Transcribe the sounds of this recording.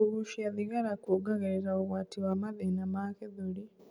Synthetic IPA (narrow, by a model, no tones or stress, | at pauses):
uɣuʃiaðiɣaɾakuɡaɣaɾiɾauɣwatiwamaðinamakɛðuɾi